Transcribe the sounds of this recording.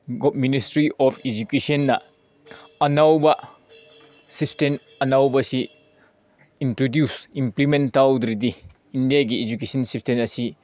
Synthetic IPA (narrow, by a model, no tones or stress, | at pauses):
ɡoministɾiʔɔpʰed͡ʒukesɐnːɐ | ɐnawbɐ | sipsten | ɐnawbɐsi | intɾodjusimplimentawd̪ɾidiː | ndijaɡied͡ʒukesɐnsipstenɐsi